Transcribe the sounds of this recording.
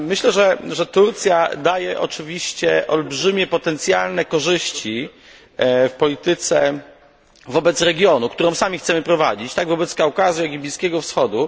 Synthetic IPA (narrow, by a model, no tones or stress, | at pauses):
mɘɕlɛʐɛʐɛt̪uɾt̪sʲjad̪ajɛʔɔ̰t͡ʂɘvʲiɕt͡ɕɛʔɔlbʐɘmʲjɛpɔt̪ɛnt̪sʲjalnɛkɔʐɘɕt͡ɕi | fpɔlʲit̪ɘt̪sɛ | vɔbɛt̪sɾɛɡʲjɔnukt̪uɾɔ̃w̃samʲixt̪sɛmɘpɾɔvad͡ʑit͡ɕt̪aɡvɔbɛt̪skawkazujaɡʲibʲlʲiskʲɛɡɔfsxɔd̪u